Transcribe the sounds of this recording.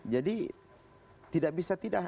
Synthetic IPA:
d͡ʒadi | t̪idaʔ̚bisat̪ida

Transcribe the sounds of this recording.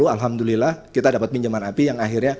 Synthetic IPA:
ualɦamd̪ulilahkit̪adapat̪̚miɲd͡ʒamanapijaŋaxirɲa

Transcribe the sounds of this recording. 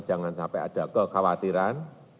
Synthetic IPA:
ʒ̥a̤ŋansampɛʔa̰d̥a̤kəkʰawat̪iɾan

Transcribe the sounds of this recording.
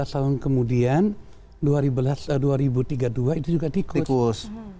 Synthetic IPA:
ast̪aʊnkəmudian | duaɾibəlasduaɾibut̪iɡaduait̪ud͡ʒuɡat̪ikikus

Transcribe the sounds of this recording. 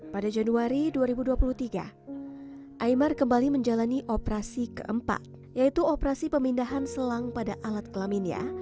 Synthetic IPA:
padad͡ʒanuaɾiduaɾibuduapuluht̪iɡa̰ | ʔaimarkəmbaliməɲd͡ʒalaniʔopɾasikə̰ʔəmpa̰t̪̚ | jait̪uopɾasipəmindaɦansəlaŋpadaʔalat̪̚kəlaminja̰

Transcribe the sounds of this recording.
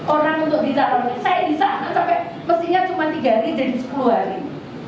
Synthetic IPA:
ʔoɾaŋunt̪ʊk̚bisaɾanunsajabisaɦat̪apɛ | məst̪ihɲat͡ʃumant̪iɡa̤ɾid͡ʒadisə̥kluaɾɪ̰

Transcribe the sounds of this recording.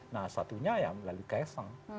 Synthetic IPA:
nahsat̪uɲaja̰lalukaesəŋ

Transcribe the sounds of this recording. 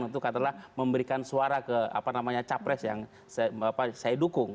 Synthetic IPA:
ŋit̪ukat̪alahməmbəɾikansuaɾakəa̰panamaɲat͡ʃapɾɛsjaŋ | sapasajadukʊŋ

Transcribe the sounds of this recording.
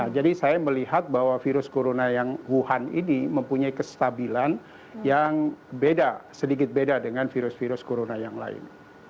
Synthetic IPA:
nahd͡ʒadisajaməliɦat̪̚bahwafiɾʊskoɾonajaŋwuɦanḭniməmpuɲaikəst̪abilan | jaŋbedasədik̬ɪt̪̚bedadəŋanfiɾʊsfiɾʊskoɾonajaŋla̰ɪ̰n

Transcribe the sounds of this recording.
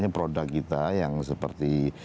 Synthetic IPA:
ɲapɾodakːit̪ajaŋsəpə̰rt̪i

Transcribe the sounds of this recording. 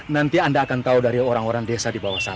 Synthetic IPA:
nant̪iandaːkant̪audaɾioɾaŋoɾaŋdesadibawasa

